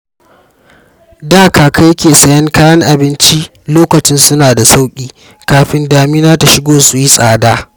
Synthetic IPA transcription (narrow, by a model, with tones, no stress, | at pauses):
daː˦kaː˨ka˦jɐ˦kʲeː˨sɐ˦jɐ˦ŋkaː˦jɐ˦ŋʔa˨bɪ˦nt͡ʃi˦ʔ | loː˦kɐ˨t͡ʃɪ˦nsʊ˦naː˨da˨sa˦wkʲʼiː˦ | kaː˨ɸɪ˦ndaː˨miː˦naː˦ta˨ʃɪ˦ɡʷoː˦su˨ji˦sʼaː˨daː˦